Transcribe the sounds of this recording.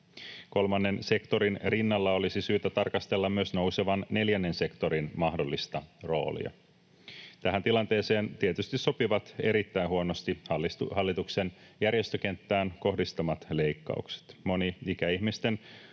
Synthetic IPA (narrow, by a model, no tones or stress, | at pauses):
ko̞lmɑnːe̞nse̞kt̪o̞ɾinrinːɑlːɑo̞lisisyːt̪æt̪ɑrkɑst̪elːɑmmyøsno̞wse̞ʋɑnːe̞ljænːe̞nse̞kt̪o̞ɾinmɑhdolːist̪ɑro̞̰ːlḭɑ̰ | t̪æɦænt̪ilɑnt̪e̞ːse̞ːnt̪iet̪yst̪isso̞piʋɑt̪e̞̰ɾit̪ːæinhuonost̪ihɑlːihɑlːit̪ukse̞njærjest̪øke̞nt̪ːæːnko̞hdist̪ɑmɑt̪le̞jkːɑ̰ukse̥t̪mo̞niikæihmist̪e̞n